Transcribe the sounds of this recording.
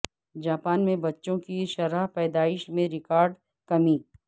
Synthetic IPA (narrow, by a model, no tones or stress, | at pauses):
d͡ʒaːpaːnmẽbɐtːʃõkiʃɐɾaɦpɛːd̪aːɪʃmẽɾɪkaːɾɖ | kɐmiː